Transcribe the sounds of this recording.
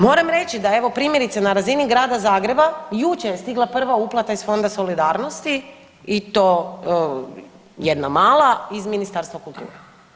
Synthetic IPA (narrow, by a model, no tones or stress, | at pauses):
mo̞ːɾamɾe̞t͡ʃid̪ae̞ʋo̞pɾiːmje̞ɾit̪senaɾaziniɡɾaːd̪azaːɡɾe̞bajut͡ʃejest̪iɡlˠapr̩ʋauplˠat̪aisfo̞nd̪aso̞lid̪aːɾnost̪i | it̪oː | jed̪namaːlˠaizminist̪aɾst̪ʋakulˠt̪ṵːɾe